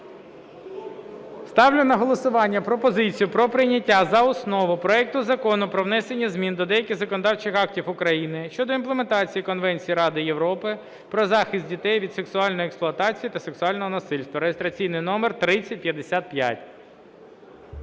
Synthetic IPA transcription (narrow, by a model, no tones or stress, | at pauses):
st̪ɑwlʲʊnɐɦɔlˠɔsʊʋɑnʲːɐpɾɔpɔzɪt͡sʲijʊpɾɔpɾɪnʲːɐtʲːazɐɔsnɔʋʊpɾɔɛk̚t̪ʊzɐkɔnʊpɾɔʋnɛsenʲːɐzmʲind̪ɔd̪ɛjɐkʲɪɣzɐkɔnɔd̪ɑwt͡ʃɪxɑk̚tʲifʊkɾɐjinɪʃt͡ʃɔd̪ɔinplˠement̪ɑt͡sʲijikɔnʋɛnʲt͡sʲijiɾɑd̪ɪjeʋɾɔpɪ | pɾɔzɑxɪst̪̚ʲdʲit̪ɛjʋʲid̪se̞ksʊɑlʲnɔjʊeksplˠʊɐt̪ɑt͡sʲijit̪ɐseksʊɑlʲnɔɦɔnɐsɪlʲst̪ʋɐɾejest̪ɾɐt͡sʲijnɪjnɔmert̪ɾɪt͡sʲɐt̚ʲpʲjɐd̪esʲat̪̚pʲja̰tʲ